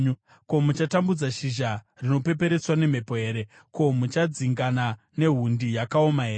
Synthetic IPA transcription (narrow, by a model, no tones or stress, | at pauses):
ko̞mut͡ʃatambud͡zaʃiʒarino̞pe̞pe̞ɾe̞swane̞m̤e̞po̞ɦe̞ːɾe̞ | ko̞mut͡ʃad͡ziŋɡana | ne̞ɦundijakaomaɦeːe